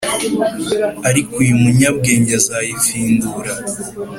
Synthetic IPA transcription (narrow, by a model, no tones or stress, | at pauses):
aɾikujumuɲabɡe̞ːɲɟazajifiːnduɾa